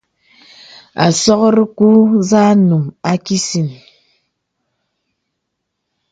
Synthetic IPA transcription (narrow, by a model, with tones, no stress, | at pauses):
a̰˨sɔ˦kɾi˦ku˦za˦nu˨ma˦ki˦si˨n